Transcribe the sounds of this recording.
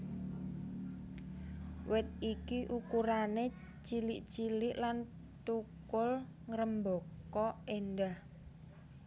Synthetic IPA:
wɪt̪̚ikiʔukuɾane | t͡ʃilɪʔt͡ʃilɪʔlan | t̪ukʊl | ŋɾəmbokɔenɖah

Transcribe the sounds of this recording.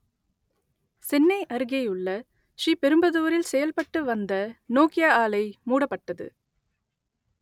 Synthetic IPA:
sɛnːɐɪʔɐɾɯɣɐjɯɭːɐ | ʂiːpɛɾɯmbɐðɯːɐɾɪlsɛjɐlpɐʈːɯʋɐnd̪ɐnoːkɪjaaːlɐɪmuːɽɐpːɐʈːɐðɯ̰

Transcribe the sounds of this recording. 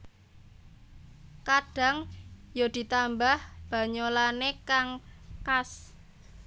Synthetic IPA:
kaɖ̥a̤ŋjod̪̥i̤t̪ambahb̥a̤ɲolanekaŋkas

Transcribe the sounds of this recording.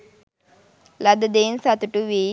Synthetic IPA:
lɐd̪ɐd̪eːnsɐt̪uʈuʋeː

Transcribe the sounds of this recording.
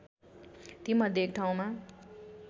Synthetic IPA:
t̪imʌd̪ʱjek̚ʈʰaw̃ma

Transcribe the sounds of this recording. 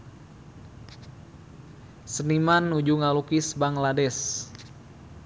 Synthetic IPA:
sənimanːud͡ʒuŋalukisbaŋladɛs

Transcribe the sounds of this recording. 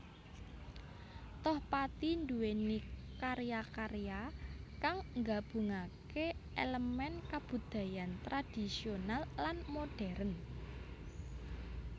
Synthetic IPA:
t̪ɔhpat̪ind̪uwenikaɾjakaɾjakaŋŋɡab̥ṳŋakeeləmɛnkab̥ṳd̪̥ä̤jant̪ɾad̥i̤sionalːanmoɖ̥ɛɾən

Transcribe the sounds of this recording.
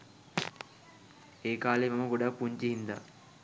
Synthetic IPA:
eːkaːlemamɐɡoɖapːuɲt͡ʃiɦind̪a̰

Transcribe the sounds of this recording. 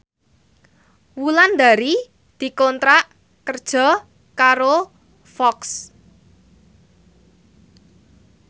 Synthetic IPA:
wuland̪a̤ɾi | d̪̥i̤kɔnt̪ɾaʔ | kərd̥ʒ̥ɔ̤ | kaɾo | fɔks

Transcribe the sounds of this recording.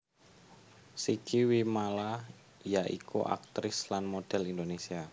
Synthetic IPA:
sikiwimala | jaʔikṵʔa̰k̚t̪ɾɪslanmod̥ɛlindonesia

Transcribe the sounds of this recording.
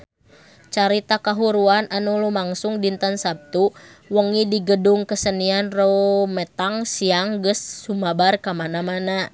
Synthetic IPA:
t͡ʃaɾit̪akaɦuɾuanʔanulumaŋsuŋdint̪ansap̚t̪uwəŋidiɡəduŋkəsənianromət̪aŋsiaŋɡəsːumabarkamanamana

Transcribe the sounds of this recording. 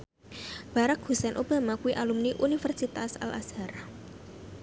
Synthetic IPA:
b̥a̤ɾakhusɛnʔob̥a̤makuwiʔalumniʔunifərsit̪asa̰lʔa̰shar

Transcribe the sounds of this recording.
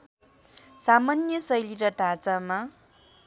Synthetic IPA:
samanjʌsʌjliɾʌʈat͡sama

